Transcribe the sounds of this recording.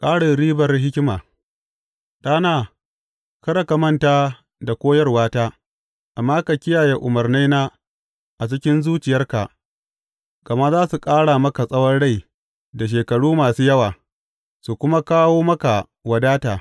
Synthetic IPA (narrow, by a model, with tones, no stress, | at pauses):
kʼaː˦ɽɪ˨ɾiː˦bɐ˨rɦɪ˦kʲɪ˦maː˨ | ɗaː˦naː˦˨ | kɐ˦ɾɐ˨ka˨mɐ˦ntaː˦ | da˨kʷoː˦jɐ˦rwaː˦taː˦ | ʔa˨mːaː˦ka˨kʲɪ˦jaː˨je˦ʔʊ˨mɐ˨rna˦naː˦ | ʔa˨t͡ʃɪ˦kʲɪ˦nzuː˦t͡ʃɪ˨jɐ˦rka˨ | kɐ˨mɐ˦zaː˦su˨kʼaː˦ɽa˨mɐ˦ka˨sʼɐ˦wɐ˦nɽa˦˨j | da˨ʃ̬eː˨kɐ˨ɽuː˦maː˨suː˦jɐ˦waː˨ | su˨kʷʊ˦ma˦kaː˦woː˦mɐ˦ka˨ | wɐ˨daː˦taː˨